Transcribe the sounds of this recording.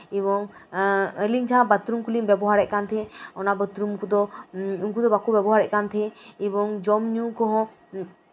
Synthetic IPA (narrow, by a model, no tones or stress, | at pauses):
iβɔŋ | əliɲd͡ʒʰʱãbat̪ɾumkulimbɛbɔɦaɾɛʔ̚kant̪ʰɛɔnabət̪ɾumkud̪ɔuŋk̬ud̪ɔbakubɛbɔɦaɾɛʔ̚kant̪ʰɛibɔŋd͡ʒɔmɲukɔɦɔ̃